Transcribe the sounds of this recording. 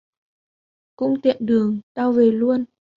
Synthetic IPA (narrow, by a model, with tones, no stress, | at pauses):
kʊ̰˧˥ŋ͡mt̪ḭ˧˨ənɗɨ˨˩əŋt̪aː˧wve˨˩lu˧ən